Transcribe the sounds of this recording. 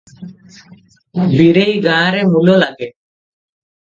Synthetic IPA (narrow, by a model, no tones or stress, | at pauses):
biɾejɡãːɾɛmulolaɡɛ